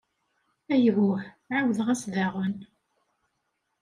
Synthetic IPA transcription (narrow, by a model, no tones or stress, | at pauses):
æjɣʊħ | ʕawðʁæsðaʁən